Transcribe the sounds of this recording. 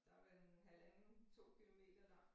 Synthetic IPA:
d̥ɑ̈ʋeɦælænt͡sʰo̝̰ːkʰilo̝me̝̰ːd̥ɐnɑ

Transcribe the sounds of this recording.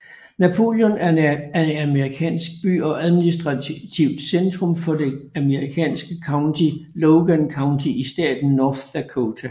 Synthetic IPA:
næpʰo̝̰ːljɔnæɐæɐe̝næməʁikʰɛ̰ːnsɡ̥̚b̥y̰ːɒ̽ʔæð̞ˠminisd̥ʁɑt͡sʰiʊd̥send̥ʁɔ̽mfɒ̽de̝æməʁikʰɛ̰ːnsɡ̥əkʰɑ̈ʊndʰilɔʊɡ̥ænkʰɑ̈ʊnt͡sʰiisd̥ɛ̰ːd̥n̩ːɒːfækʰoːt͡sʰæ

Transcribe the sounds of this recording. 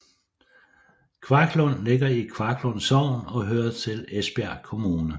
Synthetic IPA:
kʰʋɑ̈kʰlɔnle̝ɡ̥ɐikʰʋɑ̈kʰlɔnsɒʊ̰nɒ̽ɦøːɐt͡sʰe̝lesb̥eæ̰kʰo̝muːnə

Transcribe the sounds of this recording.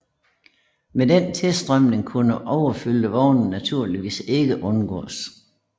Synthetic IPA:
medent͡sʰelsd̥ʁɶm̰ne̝ŋkʰunəʔɒʊɐfyləʋɒʊnn̩næt͡sʰuɐ̰liʋḭːse̝ɡ̥əʔɔ̽nɡ̥ɔ̰ːs

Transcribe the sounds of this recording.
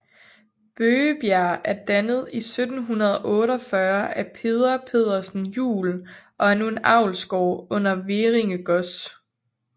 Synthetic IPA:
b̥øːəb̥jæɐ̰ʔæɐd̥ænəð̞̩ˠisød̥n̩ɦunɐð̞ˠɒʔɔ̽ːɾɒfɶɐʔæpʰe̝ð̞ˠɐpʰe̝ð̞̰ˠɐsn̩jṵːlʔɒ̽æɐnue̝nɑ̈ʊ̰lsɡ̥ɒʊ̰ɔ̽n̰ɐʋeʁeŋəɡ̥ɔ̽s

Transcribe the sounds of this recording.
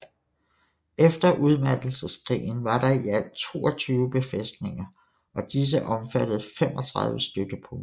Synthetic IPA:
efd̥ɐʔuð̞ˠmæd̥l̩səskʰʁḭːn̩ʋɑ̈ɾ̥ɑ̈iæl̰t͡sʰo̝̰ːɒt͡sʰyːʊb̥e̝fesd̥ne̝ŋɐ | ɒ̽d̥is̬əʔɒ̽mfæɾ̥əð̩ˠfem̰ɒ̽t͡sʰʁɑ̈ð̞ˠʋəsd̥øɡ̥əpʰɔ̽ŋ

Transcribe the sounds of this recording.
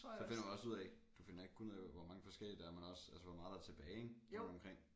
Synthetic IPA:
sɒ̽fe̝n̰ɐʋiɒ̽suð̰ˠɛd̥ufe̝n̰ɐe̝ɡ̥̚kʰunð̰ˠɛʋɒmɑ̈ŋəfɒ̽sɡ̥el̰id̥ɑæɐmænɒ̽sælsəʋɒmɑ̈ːðˠɑæɐt͡sʰe̝b̥ɛːe̥n̥ɒ̽mkʁeŋ̰

